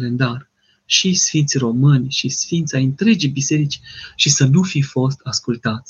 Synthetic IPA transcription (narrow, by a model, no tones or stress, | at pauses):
le̞nd̪ar | ʃisfint̪sʲro̞mɨnʲʃisfint̪sʲajɨnt̪ɾe̞d͡ʒijbise̞ɾit͡ʃʲʃisənufifo̞s̬t̪askult̪at̪sʲ